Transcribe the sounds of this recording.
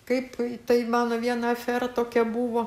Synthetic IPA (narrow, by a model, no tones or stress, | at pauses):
kɐɪpt̪ɐɪmɑːnoːʋʲiɛnɐɐfʲɛrɐt̪oːkʲɛbuːʋoː